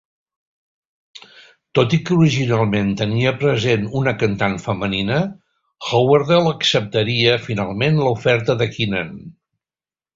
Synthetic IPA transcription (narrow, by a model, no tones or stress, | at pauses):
t̪ot̪ikəuɾiʒinalˠment̪əniəpɾəzenunəkənt̪anfəməninə | xowəɾðɛlˠəksəp̚t̪əɾiəfinalˠmenləufɛɾt̪əðəkinən